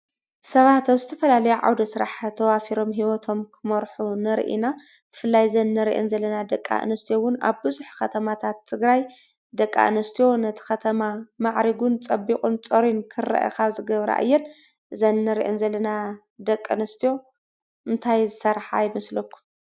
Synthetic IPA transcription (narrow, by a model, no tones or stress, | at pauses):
sɐβat̪aβzɨt̪ʰɐfɐlalɐjuʕa̰wd̪ɐsɨɾaħt̪ʰɐwafiɾo̞mɦiwɔt̪ʰo̞mkʰɨmɐɾħunɨɾ̰ʔḭna | b̥ɨfɨlːajzɐnːɐɾiʔɨ̰nzɐlːɐnad̪ɐkʼːa̰ʔɨ̰nɐst̪ʰijowʊna̰βbɨzuħkʰɐt̪ʰɐmat̪ʰat̪ʰːɨɡɾaj | d̪ɐkʼːa̰ʔɨnɨst̪ʰijo̞nɐt̪ʰi̥xɐt̪ʰɐmamaʕɾiɡunt͡sʼɐbːikʼunt͡sʼoɾinkʰɨrːa̰ʔa̰kʰaβzɨɡɐβɾa̰ʔɨ̰jːɛn | zɐnːɐɾiʔɨnzɐlːɐna | d̪ɐkʼːɨnɐst̪ʰijo̞ | ɨnt̪ʰajzɨsɐɾħa̰jɪmɐslɐkʰːu̥